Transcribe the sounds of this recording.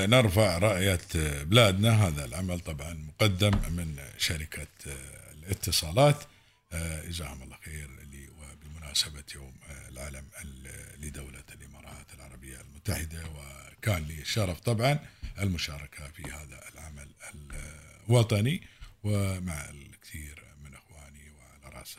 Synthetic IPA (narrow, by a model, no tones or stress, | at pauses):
nɪɾfaʕɾˤɑʔjat̪bɪlaːd̪naɦaːðalʕamalt̪ˤɑbʕɑnmʊqɑd̪ːamːɪnʃaɾɪkʰa | lɪt̪ːɨsˤɑːlɑːt̪ | ʔɪzaːhʊmɑlˤːɑxeːɾliwbɪmʊnaːsabajuːmlʕa̰ːlamlɪd̪awlalʔɪmɑːɾˤɑːt̪ɪlʕɑ̰ɾˤɑbɪjːalmʊt̪ːaħɪd̪awɪkaːnliʃɑɾˤɑft̪ˤɑbʕɑnʔɪlmʊʃɑːɾˤɑkʰafihaːða̰ɪlʕamalɪ | wɑt̪ˤɑniwɪmaʕɪ̰kθiːɾmɪnʔɪxwaːniwɪʕalaɾˤɑ̰s